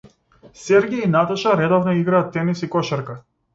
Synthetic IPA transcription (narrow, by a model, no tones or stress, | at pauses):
sɛɾɡʲainat̪aʃaɾɛd̪ɔvnɔiɡɾaːt̪ːɛnisikɔʃɛɾka